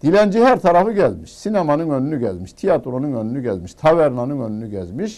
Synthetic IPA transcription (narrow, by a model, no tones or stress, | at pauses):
d̪̥ilænd͡ʒihæɾt̪ʰɑɾɑfɯɟæzmiʃsinemɑnɯnønynyɟæzmiʃt̪ʰijat̪ɾo̞nɯnønynyɟæzmiʃt̪ʰɑvæɾnɑnɯnønynyɟæzmiʃ